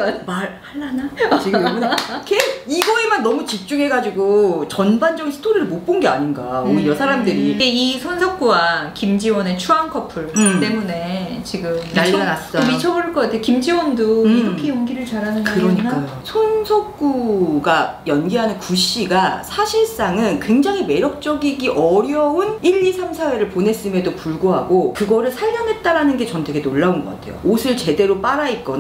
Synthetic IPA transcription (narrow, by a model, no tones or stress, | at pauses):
maɾhaɭːanat͡ɕiɡɯmnkeiɡʌe̞manːʌmut͡ɕik̚t͡ɕ͈uŋɦe̞ɡad͡ʑiɡot͡ɕʌnband͡ʑʌɡinsʰɯ̥tʰoɾiɾɯɭmot̚p͈onɡeaɲinɡa̰onɯjʌsʰaɾamdɯɾieisʰʌnsʰʌk̚k͈uwakimd͡ʑiwʌne̞t͡ɕʰuaŋkʰʌpʰuɭt͈e̞mune̞ | t͡ɕiɡɯmnaʎːanas͈ʌmit͡ɕʰʌboɭk͈ʌk͈atʰekimd͡ʑiwʌndoiɾʌkʰejoŋɡiɾɯɭt͡ɕaɾanɯnɯɾʌɲik͈ajosʰonsʰʌkk͈uɡajʌnɡiɦanɯnkuɕ͈iɡasʰaɕʰiɭs͈aŋɯnkwe̞ŋd͡ʑaŋɦime̞ɾjʌk̚t͡ɕ͈ʌɡiɡiʔʌɾjʌuniʎːisʰamsʰawe̞ɾɯɭpone̞s͈ɯmjedopuɭɡoɦaɡokɯɡʌɾɯɭsʰaʎːʌnɦe̞t̚t͈aɾanɯnɡe̞t͡ɕʌntʰeɡenoɭːaunɡʌk͈a̰tʰe̞jo̰osʰɯɭt͡ɕe̞de̞ɾop͈aɾaik͈ʌn